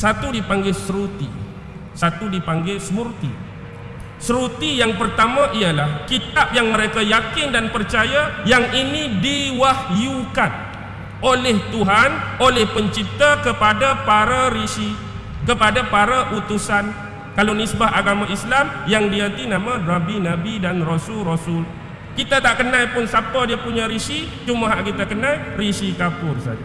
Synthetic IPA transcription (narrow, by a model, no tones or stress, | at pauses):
sat̪udipaŋɡɛsəɾut̪ḭ | sat̪udipaŋɡɛsəmurt̪ḭ | səɾut̪ijaŋpərt̪amãʔialahkit̪ap̚jaŋməɾekajakɪndanpərt͡ʃajajaŋinĩdiwahjukan | olɛht̪uɦanolɛhpəɲt͡ʃit̪akəpadapaɾaɾisi | kəpadapaɾaʔut̪usan | kalonisbaɦaɡamãislamjaŋdiant̪inãmãnabinabidanrosʊlrosʊl | kit̪at̪aʔkənãjpʊnsapadiapuɲaɾisi | t͡ʃumaɦaʔkit̪akənãjrisikapʊrsa̰d͡ʒa